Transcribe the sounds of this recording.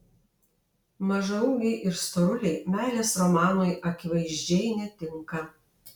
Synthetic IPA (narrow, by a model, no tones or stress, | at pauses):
mɐʒɐʊŋɡʲɛɪʔɪɾst̪ɔɾʊlʲɛɪmʲæːlʲeːsɾɔmɑːnojʔɐkʲɪʋɐɪʒʲd͡ʒʲɛɪnʲɛt̪ʲɪŋkɐ